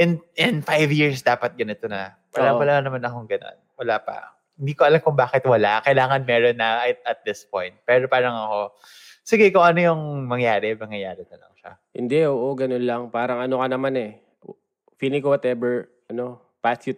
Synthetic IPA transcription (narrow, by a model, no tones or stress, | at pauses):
ɛnɪnfajvjiɹsd̪aːpɐt̪̚ɡɐnɪt̪onɐ | wɐlapɐlamɐnɐmanɐkoŋɡɐno̞̰nwɐlaːpɐ̰ | hɪnd̪iːkoʔɐlamkʊŋbaːkɪt̪wɐlakɐjlaːŋɐnmɛːɾonːɐʔɐjt̪ɐt̪̚d̪ɪspojnt̪̚pɛːɾo̞paːɾɐŋɐko̞ | sɪɡɛkoŋɐnojʊŋmɐŋjaːɾɛmɐŋjɐjaːɾɪnɐlɐ̰ŋʃa̰hɪ̰nd̪ɛʔoːʔo̞ɡɐnonlɐŋpaːɾɐŋʔɐno̞kɐnɐmanɛ | finɪkowɐt̪ɛbɛɹʔɐno̞ | past̪ju